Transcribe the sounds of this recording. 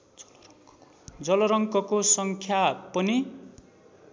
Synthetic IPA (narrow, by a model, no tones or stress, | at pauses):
d͡zʌlʌɾʌŋkʌkosʌŋkʰjapʌni